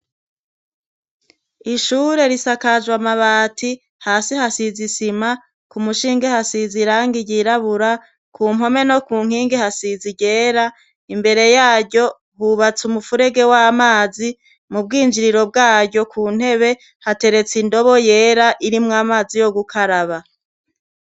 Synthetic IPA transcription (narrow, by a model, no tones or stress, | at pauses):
iʃuːɾe̞ɾisakaʒwamaβaːtʰi | haːsihasizisima | kumuʃiːŋɡehasiziɾaːŋɡiɟiɾaβuɾa | kʰuːmɦo̞me̞no̞kuːŋ̥iːŋɡehasiziɟe̞ːɾa | imbe̞ɾe̞jaːɾɟo̞ | huβat͡sumufuɾe̞ɡe̞wamaːzi | mub̚ɡiːnd͡ʒiɾiɾo̞b̚ɡaːɟo̞kʰuːn̥he̞βe̞ | hate̞ɾe̞t͡sindo̞βoje̞ːɾaʔiɾimŋaːmaːzijo̞ɡukʰaɾaβa